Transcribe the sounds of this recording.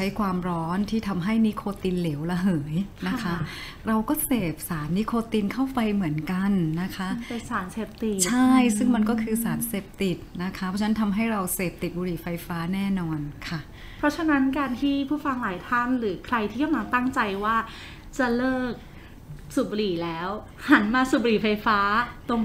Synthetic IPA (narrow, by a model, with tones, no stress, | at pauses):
t͡ɕʰa˦˥jkʰwaː˧mɾɔː˦˥nt̪ʰiː˥˩t̪ʰa˧mɦa˥˩jni˦˥kʰoː˧t̪i˧nleː˩˦wla˧ɦɤː˩˦jna˦˥kʰa˦˥ | ɾa˧wkɔː˥˩seː˨˩p̚saː˩˦nːi˦˥kʰoː˧t̪i˧nkʰa˥˩wpa˧jmɯ˨˩˦ənka˧nːa˦˥kʰa˦˥pe˧nsaː˩˦nseː˨˩p̚t̪i˨˩t͡ɕʰa˥˩jsɯ˥˩ŋma˧nkɔː˥˩kʰɯː˧saː˩˦nseː˨˩p̚t̪i˨˩t̪̚na˦˥kʰa˦pʰɔ˧˦˥t͡ɕʰa˧na˦nt̪ʰa˧mɦa˥˩jɾa˧wseː˨˩p̚t̪i˨˩t̪̚buː˧ɾiː˨˩fa˧jfaː˦˥nɛː˥˩nɔː˧nkʰa˥˩ | pʰɾɔ˦˥t͡ɕʰa˧na˦˥nkaː˧nt̪ʰiː˥˩pʰuː˥˩fa˧ŋlaː˩˦jt̪ʰaː˥˩ŋɾɯː˩˦kʰɾa˧jt̪ʰiː˥˩a˥˩mla˧t̪a˥˩ŋt͡ɕa˧jwaː˥˩ | t͡ɕa˨˩lɤː˥˩k̚ | suː˨˩bu˧ɾiː˨˩lɛː˦˥w | ha˩˦nmaː˧su˨˩bu˧ɾiː˨˩fa˧jfaː˦˥t̪o˧